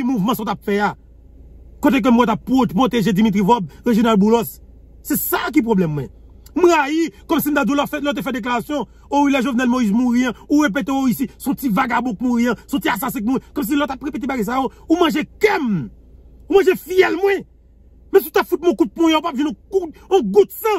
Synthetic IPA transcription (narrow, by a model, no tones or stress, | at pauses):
muvmãsɔ̃t̪apfɛja | kot̪ek̬em̩wɛt̪apːopʁot̪eʒed͡zimit̪̬ɣivɔbɣeʒinalbulɔs | sɛsak̬ip̬ɣoblɛmːwɛ̃ | m̩ɣajikɔmsim̩t̪adũlɔfɛtlɔt̪̬efɛd̪ek̬laʁasjɔ̃ | oilɛʒovnɛlmoizmuɣiɐ̃uɣep̬et̪̬eoisisɔ̃tivaɡabɔk̚muɣiɐ̃sɔ̃tiasasɛ̃k̬̚muw̃ɛ̃kɔms̬ilɔt̪apɣepet̬ebaɡajs̬ajoumɐ̃ʒekɛm | umɐ̃ʒefijɛlmwɛ̃ | mɛ̃s̬iut̪apfut̪̬̚mɔ̃kut̪̚pɔ̃jãupapvĩnõkuõɡud̪sɐ̃